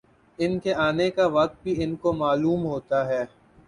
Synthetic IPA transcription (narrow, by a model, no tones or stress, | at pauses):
ɪnkeaːnekaʋɐk̚t̪̚bʱiɪnkomaːluːmɦoːt̪aɦɛː